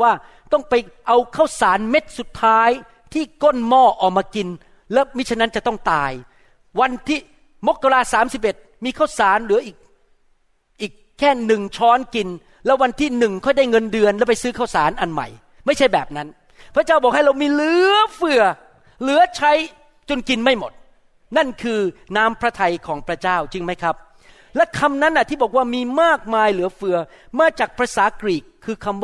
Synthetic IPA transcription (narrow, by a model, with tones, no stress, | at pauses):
waː˥˩ | t̪ɔ˥˩ŋpa˧jʔa˧wkʰaː˥˩wsaː˩˦nme˦˥t̪̚su˨˩t̪ʰːaː˦˥j | t̪ʰiː˥˩ko˥˩nmɔː˥˩ʔɔː˨˩k̚maː˧ki˧n | lɛː˦˥wmi˦˥t͡ɕʰa˧˥nːa˦˥nt͡ɕa˨˩t̪ɔ˥˩ŋt̪aː˧j | wa˧nt̪ʰiː˥˩ | mo˦˥kːa˧laː˧saː˩˦msi˨˩p̚ʔe˨˩t̪̚miː˧kʰaː˥˩wsaː˩˦nlɯ˨˩˦ɐʔiː˨˩k̚ | ʔiː˨˩kʰːɛː˥˩nɯ˨˩ŋt͡ɕʰɔː˦˥nki˧n | lɛː˦˥wa˧nt̪ʰiː˥˩nɯ˨˩ŋkʰɔ˥˩jda˥˩jŋɤ˧ndɯ˧ənlɛ˦˥wpa˧jsɯː˦˥kʰa˥˩wsa̰ː˩˦nʔa˧nma̰˨˩j | ma˥˩jt͡ɕʰa˥˩jbɛː˨˩p̚na˦˥n | pʰɾa˦˥t͡ɕaː˥˩wbɔː˨˩k̚ha˥˩jɾa˧wmiː˧lɯ˨˦˩ɐfɯ˨˧˩ɐ | lɯ˨˦ɐt͡ɕʰa˦˥j | t͡ɕu˧nki˧nma˥˩jmo˨˩t̪̚ | na˥˩nkʰɯː˧naː˦˥mpʰɾa˦˥t̪ʰa˧jkʰɔː˩˦ŋpʰɾa˦˥t͡ɕaː˥˩wt͡ɕɯ˧ŋma˦˥jkʰɾa˦˥p̚ | lɛ˦˥kʰa˧mna˦˥nʔa˨t̪ʰiː˥˩bɔː˨˩k̚waː˥˩miː˧maː˥˩k̚maː˧jlɯ˨˩˦ɐfɯ˧ɐ | maː˧t͡ɕaː˨˩k̚pʰɾa˧saː˩˦kɾiː˨˩kʰːɯː˧kʰa˧m